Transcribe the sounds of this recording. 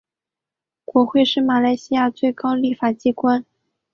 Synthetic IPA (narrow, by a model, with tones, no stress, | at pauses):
kwɔ˧˥xwe˥˧ɪʂɻ̩˥˩ma˨˩la˧˥ɪɕi˥ja˥˧t͡swe˥˩ɪkɑ˥ʊli˥˩fa˨˩t͡ɕi˥kwa˥n